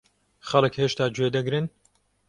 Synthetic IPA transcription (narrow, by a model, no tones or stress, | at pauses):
xɐlˠɨkheːʃt̪aːd͡ʒwed̪ɐɡɾɨn